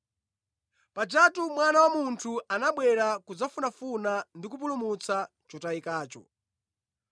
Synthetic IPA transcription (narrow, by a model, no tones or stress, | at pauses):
pad͡ʒatumwanawamuntʰuanaɓwɛɾakud͡zafunafunandikup̬ulumut͡sa | t͡ʃɔtaikaːt͡ʃɔ̰